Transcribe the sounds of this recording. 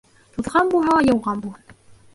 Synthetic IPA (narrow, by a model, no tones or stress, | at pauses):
t̪uðʁɑnbuɦɑjɤ̆wʁɑnbuh̪